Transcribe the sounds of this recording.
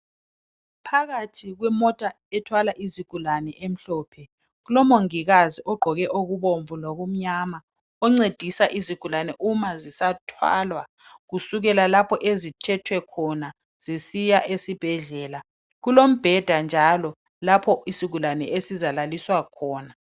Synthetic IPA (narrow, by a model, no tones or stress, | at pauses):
pʰaɣatʰiɣwɛmɔtʼa | ɛtʰwalaʔiziɡ̥ʱulanɛʔem̩ɬɔːpʰɛ | ɣulɔmoŋiɣaziʔɔɡ͡ǃʱɔɣɛʔoɣuβoɱvuloɣum̩ɲama | ɔŋ͡ǀed̥ʱisaʔiziɡ̥ʱulanɛʔumazisatʰwa̰lwa | ɣusuɣɛlalapʰɔʔezit͡ʃʰɛtʰwɛkʰɔna | z̥isijaʔesib̥ʱɛɮɛːla | ɣulom̩b̥ʱɛd̥ʱand͡ʒʱalɔ | lapʰɔisiɡ̥ʱulanɛ̰ʔesizalaliswakʰɔːna